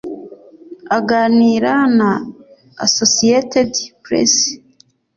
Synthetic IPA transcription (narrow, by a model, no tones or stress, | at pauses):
aɡaːniːɾana̰ː | sosietedpɾḛs